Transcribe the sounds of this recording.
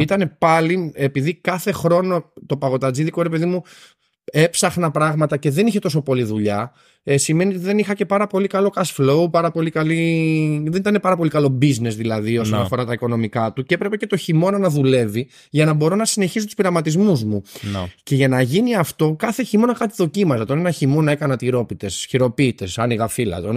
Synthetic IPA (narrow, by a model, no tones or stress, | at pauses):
it̪ɐne̞pɐliepiðikɐθe̞xɾo̞no̞t̪o̞pɐɣo̞t̪ɐd͡ziðiko̞ɾe̞pe̞ðimu | e̞psɐxnɐpɾɐɣmɐt̪ɐce̞ðe̞niçe̞t̪o̞so̞po̞liðuʎɐ | sime̞niot̪iðe̞nixɐce̞pɐɾɐpo̞likɐlo̞kɐsflo̞upɐɾɐpo̞likɐliðenit̪ɐne̞pɐɾɐpo̞likɐlo̞bizne̞zðilɐðio̞sonɐfo̞ɾɐt̪ɐiko̞no̞mikɐt̪uceepɾe̞pe̞ce̞t̪o̞çimo̞nɐnɐðule̞vi | ʝɐnɐbo̞ɾo̞nɐsine̞çisot̪u̥spiɾɐmɐt̪izmuzmunce̞ʝɐnɐʝiniɐft̪o̞kɐθeçimo̞nɐkɐt̪iðo̞cimɐzet̪o̞nenɐçimo̞nɐe̞kɐnɐt̪iɾo̞pit̪e̞sçiɾo̞piːt̪e̞sɐniɣɐfilɐ̰t̪o